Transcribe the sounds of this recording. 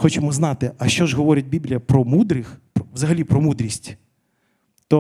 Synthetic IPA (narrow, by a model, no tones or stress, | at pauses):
xɔt͡ʃemɔzn̪ɑt̪ɪʔɐʃt͡ʃɔʒɦɔʋɔɾʲɐt̚ʲbʲiblʲijɐpɾɔmud̪ɾɪxpɔʋzɐɦɐlʲipɾɔmud̪ɾʲisʲtʲ | t̪ɔ